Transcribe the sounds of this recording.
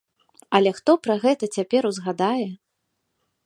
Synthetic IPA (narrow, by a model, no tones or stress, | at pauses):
ɐlʲɛxt̪ɔpɾɐɣɛt̪ɐt͡sʲapʲɛɾuzɣad̪ajɛ